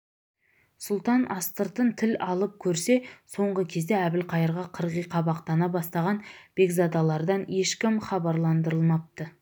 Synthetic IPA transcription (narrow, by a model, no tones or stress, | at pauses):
sʊlˠt̪ɑnʔɑst̪əɾt̪ənt̪ʰɪlɑlˠəp̚kʲʰɵɾse̞so̞ɴʁəkʲʰe̞zd̪e̞æbɪlqʰɑjəɾʁɑqʰəɾʁijqʰɑbɑqt̪ɑnɑbɑst̪ɑʁɑnb̥e̞ɡzɑd̪ɑlˠɑɾd̪ɑne̞ʃkʲɪmχɑbɑɾlˠɑnd̪əɾəlˠmɑp̚t̪ə